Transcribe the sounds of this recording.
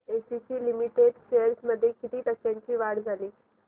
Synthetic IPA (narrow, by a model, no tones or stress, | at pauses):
esisiːlimiʈeɖɕeəɾsməd̪ʱːjekit̪iːt̪əkjãɲt͡ɕiːʋaɽd͡zaliː